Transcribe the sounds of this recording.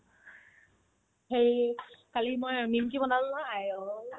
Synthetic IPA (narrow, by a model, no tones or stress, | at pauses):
xejkalimojnimkibɔnalnɔajo